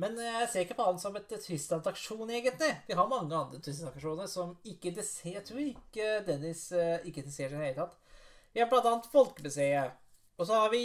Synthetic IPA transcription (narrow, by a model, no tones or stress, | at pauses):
mɛnææseːɾɪkːəpɔɑnsɔmɛt̪t̪ʰːɪst̪ɑnt̪ɑkʂuːneːɡənt̪lɪʋɪɦɑɾmɑŋːəɑnd̪ɾət̪ʰɪst̪ɑɑkʂuːnəɾsɔmɪkːəd̪ɛsjæɪt̪ʰɾuːɾɪkːəd̪ɛnːɪsɪkːəd̪ɛseːɾɪd̪əheɪət̪ʰɑt̪ː | ʋɪhɑɾblɑnt̪ɑːnt̪fɔlkəbɛseːə | ɔs̬ɔhɑɾʋɪ